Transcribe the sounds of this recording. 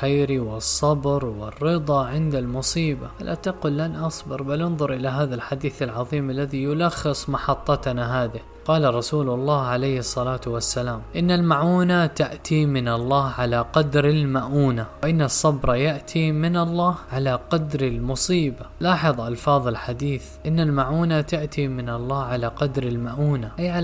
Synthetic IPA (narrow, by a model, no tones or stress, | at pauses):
xajɾiwɪsˤːɑbɾwɪrːɪd̪ˤɑʕɪnd̪almʊsˤiːbaʔalʔat̪aquːlːanʔɑsˤbɑɾˤbalʔɪnðˤʊɾˤʔɪlaɦaːðalħad̪iːθalʕɑðˤiːmalːaðijʊlaxːɨsˤmɑħɑt̪ˤːɑt̪naɦaːðɪ | qɑːlaɾˤɑsuːlʊlˤːaːhʕalajhɨsˤːɑlaːt̪wasːalaːmʔɪnːalmaʕuːnat̪aʔt̪ʰimɪnɑlˤːɑːhʕalaqɑd̪ɾɪlmaʔuːnawʔɪnːasˤːɑbɾˤɑjaʔt̪ʰimɪnɑlˤːɑːhʕalaqɑd̪ɾɪlmʊsˤiːbalɑːħɨðˤʔɑlfɑːðˤɪlħad̪iːθʔɪnːalmaʕuːnat̪aʔt̪ʰimɪnɑlˤːɑːhʕalaqɑd̪ɾɪlmaʔuːnaʔajʕa